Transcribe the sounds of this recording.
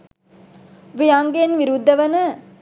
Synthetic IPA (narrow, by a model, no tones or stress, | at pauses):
ʋijaŋɡenʋiɾud̪ːɐʋɐnɐ